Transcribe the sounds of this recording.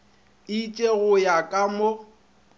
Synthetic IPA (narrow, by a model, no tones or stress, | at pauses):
it͡ʃʼeɣʊjakʼamo